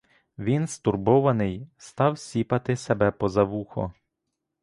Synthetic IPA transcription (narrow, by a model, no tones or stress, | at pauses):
ʋʲinst̪urbɔʋɐnɪjst̪ɑwsʲipɐt̪ɪsebɛpɔzɐʋuxɔ̰